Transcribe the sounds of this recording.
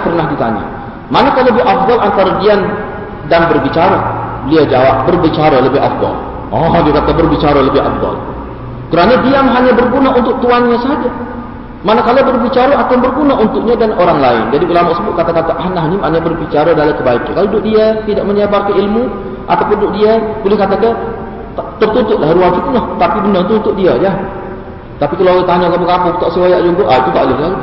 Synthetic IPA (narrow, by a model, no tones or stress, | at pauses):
pərnahdit̪a̰ɲa̰ | manakalːəbɪɦafd̪ɔlant̪aɾadian | danbərbit͡ʃaɾabəliad͡ʒawa̰p̚bərbit͡ʃaɾaləbɪɦa̰fd̪ɔ̰l | ɔdiakat̪abərbit͡ʃaɾaləbɪɦa̰fd̪ɑ̰l | kəɾanadiamɦaɲabərɡunaʔunt̪ʊk̚t̪uanɲasəɦad͡ʒa | manakalabərbit͡ʃaɾaʔakanbərɡunaʔunt̪ʊk̚ɲadanoɾaŋlaɪ̰nd͡ʒadiulamaʔsəbʊʔ̚kat̪akat̪aʔaɦnaɦnimaʔɲabərbit͡ʃaɾadalamkəbaika̰nkalodʊʔdiat̪idaʔməɲabarkanilmu | ʔa̰t̪awpʊndʊʔdiabolɛhkat̪akə | t̪ərt̪unt̪ʊʔ̪lahruaŋfit̪ulaht̪apibənərt̪uːnt̪ʊʔ̚diaja | t̪apikaloaɡat̪aɲakapakapʊk̚t̪aʔsiwajaʔd͡ʒunk̪ʊʔait̪ut̪a̰ʔlɪɦla